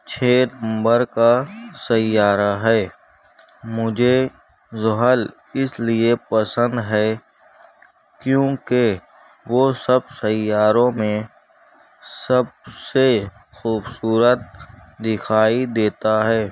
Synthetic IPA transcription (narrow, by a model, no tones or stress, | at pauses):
t͡ʃʰeːnə̃mbəɾkasɐjaːɾaɦɛː | mʊd͡ʒʱe | zʊɦəl | ɪsliepəsə̃nd̪ɦɛː | kjõːke | ʋosəbsɐjaːɾõmẽ | sɐb̚se | xuːbsuːɾət̪̚d̪ɪkʰaːid̪eːt̪aɦɛː